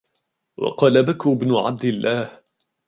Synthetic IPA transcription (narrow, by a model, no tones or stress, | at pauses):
wɑ̰qɑːlabakʊbnʊʕa̰b̚d̪ɪlːaːh